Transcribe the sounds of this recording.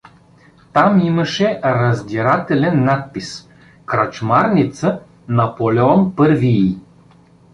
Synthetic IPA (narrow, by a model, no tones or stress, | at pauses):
t̪amiməʃɛɾɐzd̪ʲiɾat̪ɛlʲɛnːat̪̚pis | kɾat͡ʃmaɾnit̪sə | nɐpolʲɛɔnpɤɾviː